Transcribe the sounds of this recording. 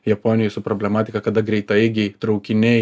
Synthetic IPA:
jɛpoːnʲɪjɪsʊpɾoːbʲlʲɛmɑːt̪ʲɪkɐkɐd̪ɐɡɾʲɛɪt̪ɐɪɡʲɪt̪ɾɒʊkʲɪnʲɛɪ

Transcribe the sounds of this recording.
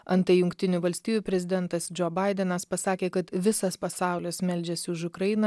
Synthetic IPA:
ɐnt̪ɐɪjʊŋʲkʲt̪ʲɪnʲuʋɐlʲsʲt̪ʲiːjuːpʲɾʲɛzʲɪd̪ʲɛnt̪ɐsd͡ʒʲoːbɐɪd̪ʲɛnɐspɐsɑːkʲeːkɐt̪ʋʲɪsɐspɐsɑˑʊlʲɪsmʲɛlʲd͡ʒʲɛsʲɪʊʃʊkɾɐjɪnɐ

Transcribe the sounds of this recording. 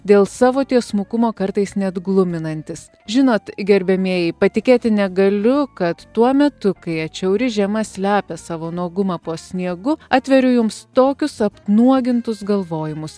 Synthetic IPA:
d̪ʲeːlˠsɑːʋoːt̪ʲiɛsmuːkʊmoːkɐɾt̪ɐɪsnʲɛd̪ɡlˠʊmʲɪnɐnʲt̪ʲɪs | ʒʲɪnoːt̪ɡʲɛɾʲbʲɛmʲiɛjɛɪpɐt̪ʲɪkʲeːt̪ʲɪnʲɛɡɐlʲʊkɐt̪ːuɔmʲɛt̪ʊkɐɪɐt͡ʃʲɛʊɾʲɪʒʲɛmɐsʲlʲæːpʲɛsɑːʋoːnuɔɡʊmɑːpoːsʲnʲiɛɡʊɑːt̪ʲʋʲɛɾʲʊjʊmst̪oːkʲʊsɐpnuɔɡʲɪnt̪ʊsɡɐlˠʋoːjɪmʊs

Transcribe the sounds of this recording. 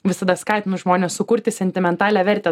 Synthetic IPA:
ʋʲɪsɐd̪ɐskɑɪt̪ʲɪnʊsʒmoːnʲeːssʊkʊɾʲt̪ʲɪsʲɛnʲt̪ʲɪmʲɛnt̪ɑːlʲæːʋʲɛɾʲt̪ʲɛ

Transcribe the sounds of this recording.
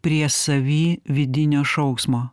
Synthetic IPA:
pʲɾʲiɛsɐʋʲiːʋʲɪd̪ʲɪnʲoːʃɒʊksmoː

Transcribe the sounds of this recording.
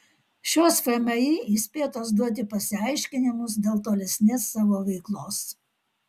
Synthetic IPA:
ʃʲoːsfʲɛmʲɐjiisʲpʲeːt̪oːsd̪uɔt̪ʲɪpɐsʲɪɑɪʃʲkʲɪnʲɪmʊs̬d̪ʲeːlˠt̪oːlʲɛsʲnʲeːsːɑːʋoːʋʲɛɪklˠoːs

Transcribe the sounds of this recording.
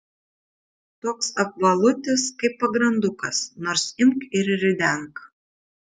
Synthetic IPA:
t̪oːksɐp̚ʋɐlˠʊt̪ʲɪskɐɪpːɐɡɾɐnd̪ʊkɐsnoːɾsɪmkɪɾɾʲɪd̪ʲɛŋk

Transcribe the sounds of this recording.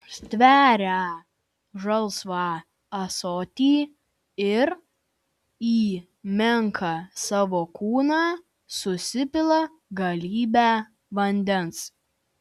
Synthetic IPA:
sʲt̪ʲʋʲæːɾʲæ | ʒɐlˠsʋɑː | ɐsoːt̪ʲiː | ɪɾ | iː | mʲɛŋkʰɐsɑːʋoːkuːnɑː | sʊsʲɪpʲɪlˠɐ | ɡɐlʲiːbʲæː | ʋɐnʲd̪ʲɛns

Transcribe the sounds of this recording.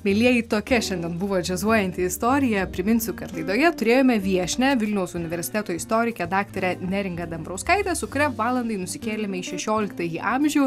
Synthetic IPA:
mʲelʲiɛjit̪oːkʲɛʃʲɛnʲd̪ʲɛnbʊʋoːd͡ʒʲɛzuɔjɛnʲt̪ʲɪɪst̪oːɾʲɪjɛpʲɾʲɪmʲɪnʲsʲʊkɐt̪lˠɐɪd̪oːjɛt̪ʊɾʲeːjoːmʲɛʋʲiɛʃʲnʲɛʋʲɪlʲnʲɛʊsʊnʲɪʋʲɛɾʲsʲɪ̥t̪ʲæːt̪oːɪst̪oːɾʲɪkʲɛd̪ɑːkt̪oɾʲɛnʲæɾʲɪŋɡɐd̪ʲɐmbɾɐʊskɐɪt̪ʲɛsʊkʊɾʲɛʋɑːlˠɐnd̪ɐɪnʊsʲɪkʲeːlʲɛmʲɛiʃʲɛʃʲoːlʲɪk̚t̪ɐːjiʔɑːmʲʒʲɛʊ

